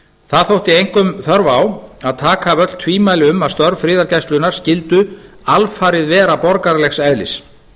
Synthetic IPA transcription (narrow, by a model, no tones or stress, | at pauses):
θaðθowht̪iejŋ̥kʏmθœɾvaːwaðt̪ʰaːkavœt̪l̥t̪ʰviːmajlɪʏmaðst̪œɾfɾɪːðaɾcajst̪lʏnaɾ̥scɪlt̪ʏ | alfaːɾɪðvɛːɾapɔɾkaɾlɛxsɛðlɪ̰s